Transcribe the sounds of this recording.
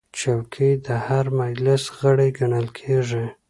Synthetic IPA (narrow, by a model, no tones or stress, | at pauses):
t͡ʃawkʰid̪əhaɾmajlɪsɣəɽeɡaɳəlkʰeʐi